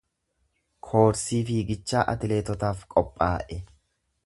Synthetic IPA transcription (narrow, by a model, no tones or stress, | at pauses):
kʰo̞ːɾsiːfiːɡɪt͡ʃːaːʔɐ̰t̪ɪle̞ːt̪ɔt̪aːfkʼɔpʼːaːʔɛ